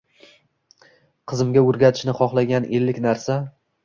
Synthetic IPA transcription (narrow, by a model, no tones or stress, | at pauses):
qʰɨzɪmɡʲaɵɾɡʲat̪ʰɪ̥ʃnɪχɒχlˠaɡʲanʔe̞lːɪkʲnaɾsa